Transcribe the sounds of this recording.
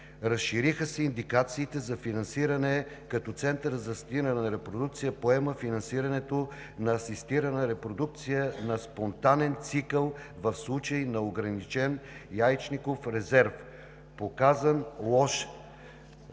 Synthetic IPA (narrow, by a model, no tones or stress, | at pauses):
ɾɐsʃiɾixəsɛind̪ikat̪siːt̪ɛzɐfinɐnsiɾɐnɛ | kɐt̪ɔt̪sɛnt̪əɾzɐst̪inənɐɾɛpɾod̪uk̚t̪sijəpoɛməfinɐnsiɾɐnɛt̪o | nɐːsist̪iɾənəɾɛpɾod̪uk̚t̪sijənɐspont̪anɛnt̪sikəlˠ | vɐfslˠut͡ʃəjnɐoɡɾɐnit͡ʃɛnjajt͡ʃnikofɾɛzɛɾf | pokazənlˠɔʃ